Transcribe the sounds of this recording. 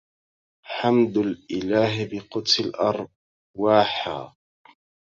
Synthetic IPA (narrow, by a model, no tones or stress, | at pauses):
ħamd̪alʔɪlaːɦɪbɪqʊt̪sɪlʔɑɾˤ | waːħa̰ː